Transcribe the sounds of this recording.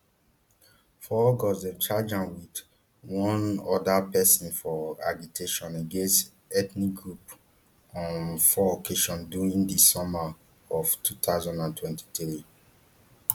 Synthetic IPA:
fɔɡɔzɛ̃nt͡ʃad͡ʒãnwid | wɔ̃nɔdapɛsɔ̃nfɔa̰ɡitʰeʃɔ̃neɡẽnst | ɛtnikɡɹup | ɔ̃nfɔokʰeʃɔ̃nduɹĩŋdisɔma | ɔftʰutʰaʊzãndãntʰwɛ̃nti̥tɹi

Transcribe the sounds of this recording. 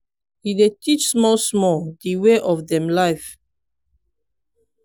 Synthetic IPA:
hidetit͡ʃsmɔlsmɔldiweʔɔfdɛ̃mlaɪf

